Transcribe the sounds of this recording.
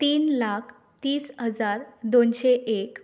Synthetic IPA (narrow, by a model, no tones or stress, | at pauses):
t̪iːnlakʰ | t̪iːsɦəd͡zaɾd̪onɕeek